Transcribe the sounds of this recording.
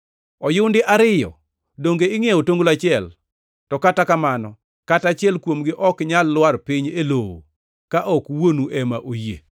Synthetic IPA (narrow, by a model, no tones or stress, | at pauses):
ɔjʊwndɪʔaɾɪjɔ̰ | doŋɡeɪŋeotoŋɡolat͡ʃɪɛl | tɔkatakamanɔ | katat͡ʃɪɛlkwomɡɪʔɔkɲalːwarpiɲelowo̰ | kaʔɔkwonuʔɛmaʔojḛ